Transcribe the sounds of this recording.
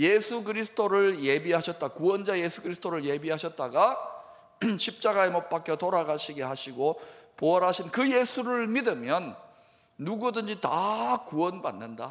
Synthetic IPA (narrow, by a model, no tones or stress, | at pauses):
jesʰuɡɯɾisʰɯ̥tʰoɾɯɭje̞biɦaɕʰʌt̚t͈akuwʌnd͡ʑajesʰuɡɯɾisʰɯ̥tʰoɾɯɭje̞biɦaɕʰʌt̚t͈aɡa | ɕʰip̚t͡ɕ͈aɡaemʌt̚p͈akʰjotoɾaɡaɕʰiɡe̞haɕʰiɡopoʌɾɦaɕʰinkɯje̞sʰuɾɯɭmidɯmjʌnː | uɡudɯnd͡ʑitakuʌnba̰nːɯnda̰